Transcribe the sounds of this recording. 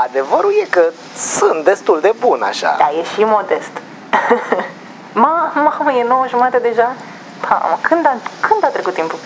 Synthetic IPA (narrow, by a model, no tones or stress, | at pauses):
ad̪e̞vəɾulje̞kə | sɨnt̪̚d̪est̪uld̪e̞buna̰ʃa̰d̪ajeʃimo̞d̪est̪ | mamamjenowəʒumat̪əd̪e̞ʒa | pʰa̰makʰɨnd̪akɨnd̪at̪ɾekut̪ːimpu